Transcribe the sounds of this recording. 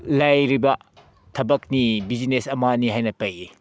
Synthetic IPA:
lajɾibɐ | tʰɐbɐk̚nibid͡ʒinesɐmaniɦajnɐpɐji

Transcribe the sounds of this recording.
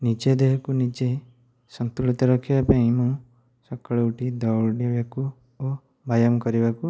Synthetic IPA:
nid͡ʒed̪eɦɔkunid͡ʒe | sɔnt̪uɭit̪ɔɾɔkʰibapaĩmũ | sɔkɔɭeuʈid̪ɔwɖibaku | o | bajɔmɔkɔɾibaku

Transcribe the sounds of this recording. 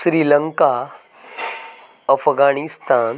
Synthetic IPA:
ɕɾiːləŋka | əfɡaɳist̪an

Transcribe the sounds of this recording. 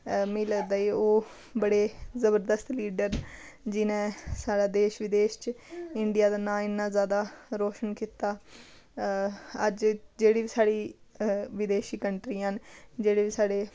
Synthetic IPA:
mĩːləɡd̪aːiːoː | bəɽeːzəbəɾd̪əst̪liːɖəɾ | d͡ʒɪnẽːsaːɽaːd̪eːʃʋɪd̪eːʃt͡ʃɪɳɖɪjaːd̪aːnãːɪnːãːzjaːd̪aːɾɔːʃənkiːt̪aː | əd͡ʒd͡ʒeːɽiːʋiːsaːɽiː | ʋɪd̪eːʃiːkəɳʈɾiːənd͡ʒeːɽiːʋiːsaːɽeː

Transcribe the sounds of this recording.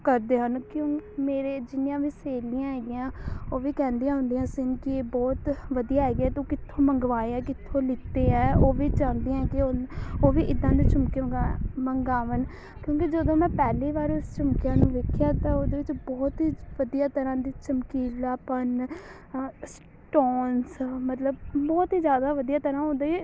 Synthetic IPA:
kəɾd̪eːɦənkjõːmeːɾeːd͡ʒɪnɪjãːʋiːseːlɪjãːɦɛːɡɪjãːoːʋiːkɛ̃ːnd̪ijãːɦʊ̃nd̪ijãːsɪnkɪeːbɔːt̪ʋəd̪ijaːɦɛːɡɛːt̪õːkɪt̪ʰːõːməŋɡʋaːeɛ̃ːkɪt̪ʰːõːlɪt̪ːeːɛ̃ːoːʋiːt͡ʃãːnd̪ijãːkɪooːʋiːʔɪd̪ãːd̪iːt͡ʃʊmkeaməŋɡaːʋən | kjõːkid͡ʒəd̪õːmɛ̃ːpɛːliːʋaːɾʊst͡ʃʊmkɪjãːnũːʋeːkʰːɪjaːt̪ãːoːd̪eːʋɪt͡ʃbɔːt̪ɦiːʋəd̪ijaːt̪əɾãːd̪iːt͡ʃəmkiːlaːpən | s | ʈɔːnsmət̪ləbbɔːt̪iːzjaːd̪aːʋəd̪ijaːt̪əɾãːʊ̃nd̪eːi

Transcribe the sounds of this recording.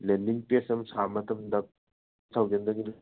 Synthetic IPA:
lendiŋpesɐmsamɐt̪ʰɐmd̪ɐ | sʰawɡend̪ɐŋiɾ

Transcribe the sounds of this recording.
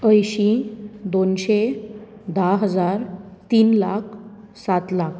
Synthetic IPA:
əjɕid̪onɕe | d̪aɦəd͡zaɾt̪iːnlak̚ʰ | sat̪lak̚ʰ

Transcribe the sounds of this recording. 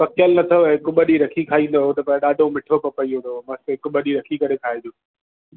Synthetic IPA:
pɐkʰjəlnɐt̪ʰoɪkʊɓəɗiɾɐkʰikʰaːĩːn̆d̪oɦot̪ɐpɐ̃ɗaːɖʱomɪʈʰopɐpɐiɦũnd̪omɐst̪ɪkʊɓəɗiɾɐkʰikɐɾekʰaːed͡ʑoː

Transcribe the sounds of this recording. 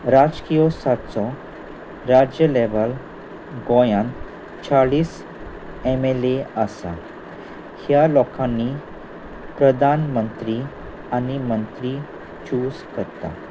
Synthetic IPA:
ɾad͡ʑkijɔsatt͡sɔ | ɾad͡ʑjəleʋəl | ɡɔ̃jãn | t͡ɕaɭiːs | ɛmɛleasa̰ | hjalɔkãnːi | pɾəd̪ʱanmənt̪ɾi | animənt̪ɾi | t͡ɕuːskəɾt̪a̰

